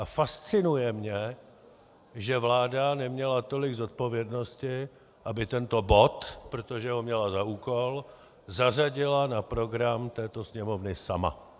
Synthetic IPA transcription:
afast͡sɪnujɛmɲɛ | ʒɛvlaːdanɛmɲɛlat̪o̞lɪɡzo̞t̪̚po̞vjɛdno̞scɪ | ʔabɪt̪ɛnt̪o̞bo̞t̪pɾo̞t̪o̞ʒɛɦo̞mɲɛlazaʔuːko̞l | zaraɟɪlanapɾo̞ɡɾamt̪ɛːt̪o̞sɲɛmo̞vnɪsa̰ma̰

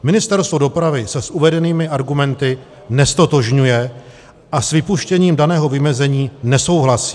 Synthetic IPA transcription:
mɪnɪst̪ɛɾst̪vo̞do̞pɾavɪsɛsʔuvɛdɛniːmɪʔaɾɡumɛnt̪ɪ | nɛst̪ot̪o̞ʒɲujɛ | ʔasvɪpuʃcɛɲiːmdanɛːɦo̞vɪmɛzɛɲiːnɛso̞wɦlasi̥ː

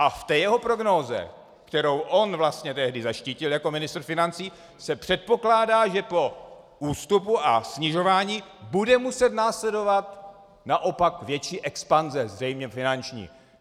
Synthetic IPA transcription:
ʔaft̪ɛːjɛɦo̞pɾo̞ɡno̞zɛ̰ | kt̪ɛɾo̞wʔo̞nvlast̪ɲɛt̪ɛɦdɪzaʃciːcɪljako̞mɪnɪst̪rfɪnant͡siː | sɛpr̥ɛt̪̚po̞klaːdaːʒɛpo̞ | uːst̪upuʔasɲɪʒo̞vaːɲiːbudɛmusɛt̪naːslɛdo̞vat̪ | naʔo̞pakvjɛt͡ʃiːʔɛkspanzɛzrɛjmɲɛfɪnant͡ʃɲḭː

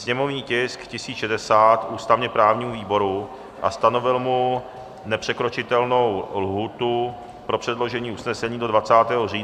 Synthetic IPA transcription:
sɲɛmo̞vɲiːcɪskcɪsiːt͡sʃɛdɛsaːt̪ʔuːst̪avɲɛpɾaːvɲiːmuviːbo̞ɾu | ʔast̪ano̞vɪlmu | nɛpr̝̥ɛkɾo̞t͡ʃɪt̪ɛlno̞wlɦuːt̪u | pɾo̞pr̥ɛdlo̞ʒɛɲiːʔusnɛsɛɲiːdo̞dvat͡saːt̪ɛːɦo̞riː

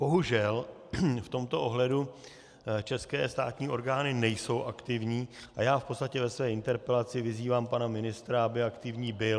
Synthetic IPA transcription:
b̥o̞ɦuʒɛl | ft̪o̞mt̪o̞ʔo̞ɦlɛdu | t͡ʃɛskɛːst̪a̰ːt̪ɲiːʔo̞ɾɡaːnɪnɛjso̞wʔakt̪ɪvɲiːʔajaːfpo̞t̪st̪acɛvɛsvɛːɪnt̪ɛɾpɛlat͡sɪvɪziːvaːmpanamɪnɪst̪ɾaabɪakt̪ɪvɲiːbɪl

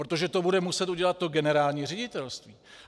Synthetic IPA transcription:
ɾot̪o̞ʒɛt̪o̞budɛmusɛt̪uɟɛlat̪̚ːo̞ɡɛnɛɾaːlɲiːrɛɟɪt̪ɛlst̪viː

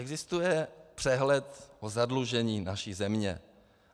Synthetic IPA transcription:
ɛɡzɪst̪ujɛpr̥ɛɦlɛt̪ʔozadluʒɛɲiːnaʃiːzɛmɲɛ̰

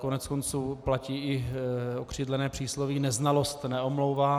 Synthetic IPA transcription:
konɛt͡skont͡suːplaciːɪokr̝̥iːd̪lɛnɛːpr̝̥iːslovinɛznalost̪nɛomlowvaː

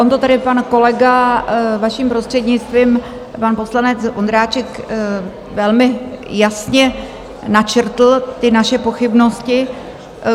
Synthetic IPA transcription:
omt̪ot̪adɪpanko̞lɛɡavaʃimpɾost̪r̥ɛd̪ɲɪt͡st̪viːm | panpo̞slanɛt͡sond̪ɾaːt͡ʃɛk | vɛlmɪjasɲɛ | nat͡ʃr̩t̪l̩t̪ɪnaʃɛpo̞xɪbno̞scɪ

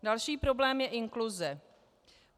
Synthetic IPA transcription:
dalʃiːpɾo̞blɛːmjɛʔɪŋklʊzɛ

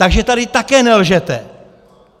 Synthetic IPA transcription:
t̪aɡʒɛt̪adɪt̪akɛːnɛlʒɛt̪ɛ

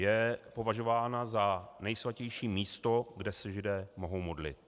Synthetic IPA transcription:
jɛpo̞vaʒo̞vaːnazanɛjsvacɛjʃiːmiːst̪o̞ɡdɛsɛʒɪdɛːmo̞ɦo̞wmo̞dlɪ̰t̪̚

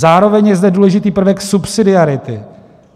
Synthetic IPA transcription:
zaːɾo̞vɛɲjɛzdɛduːlɛʒɪt̪iːpr̩vɛksupsɪdɪaɾɪt̪ɪ

